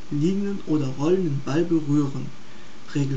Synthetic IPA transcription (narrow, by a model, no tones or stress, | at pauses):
liːɡŋənʔoːdɐvɔlənənbalbəʁyːʁən | ʁeːɡl